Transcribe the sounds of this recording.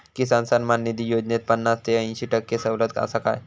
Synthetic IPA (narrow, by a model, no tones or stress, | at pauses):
kisansanmanːid̪ijod͡ʑnet̪̚pənːast̪eəĩɕiːʈəkːesəwlət̪ka̰saka̰j